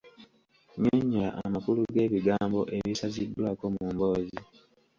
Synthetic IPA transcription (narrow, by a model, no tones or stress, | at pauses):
ɲoɲːaaʔamakuluɡe̞ːβiɡaːmbo̞ʔe̞βisazidːwaːko̞muːmbo̞ːzi